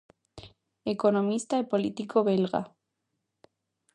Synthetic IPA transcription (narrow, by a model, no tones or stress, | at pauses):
ekonõmist̪aepolit̪ikoβelɣa̰